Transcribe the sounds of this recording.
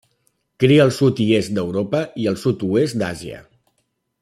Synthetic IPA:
kɾiəːlˠsut̪iesd̪əwɾopəiəlˠsut̪uesd̪aziə̰

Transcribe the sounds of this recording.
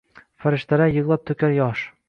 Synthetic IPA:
fæɾɘ̆ʃt̪æɾæjɤ̆ʁlˠɑp̚t̪ɵ̆kæɾjɒʃ

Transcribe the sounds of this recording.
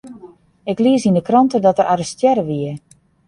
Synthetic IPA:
ɪkliəsindəkrɔntədɔtəɾʔaɾəstjɛɾəʋiə

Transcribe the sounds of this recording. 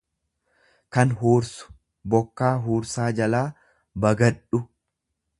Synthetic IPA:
kɐnɦuːɾsʊ̥ | bɔkːaːɦuːɾsaːd͡ʒɐlaː | bɐɡɐᶑʊ

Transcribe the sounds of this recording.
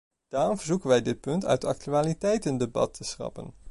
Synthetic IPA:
d̥aːrɔmvəɹzukənʋɛjdɪt̚pɵntœ̰tɑ̰k̚tyaːlitɛjtəndebɑ̰tʰːəsrɑ̰pə̰n

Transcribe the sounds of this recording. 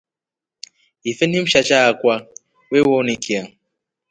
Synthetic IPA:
ifenim̩ʃat͡ʃakʷa | wewonikʰia

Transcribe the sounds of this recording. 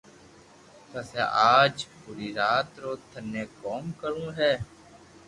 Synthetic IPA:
t̪əseːʔaːd͡ʒpuːɾiːɾaːt̪ɾoːt̪ʰənːeːkoːmkəɾũːɦɛː

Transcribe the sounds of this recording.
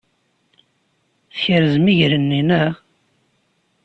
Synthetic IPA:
θçəɾəzmiʝɾənːinæ

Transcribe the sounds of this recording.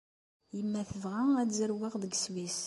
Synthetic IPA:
jəmːæθəvʁææzəɾwaʁðəɡswis

